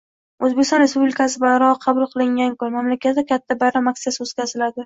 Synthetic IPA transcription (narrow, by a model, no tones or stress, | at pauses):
ɵzbekʲɪst̪ɒnɾe̞spublɪkʰʲasɪbaɾɒqʰɑbʊlˠqʰɨlˠɪŋɡʲankʰʊnmamlakʲʰat̪d̪akʲʰat̪ʰːabaɾɒmaksɪasɪozkʲazɪlad̪ɪ